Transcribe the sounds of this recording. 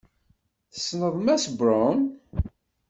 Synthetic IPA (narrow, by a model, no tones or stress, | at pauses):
θə̥snəðˤmæsbɾɔn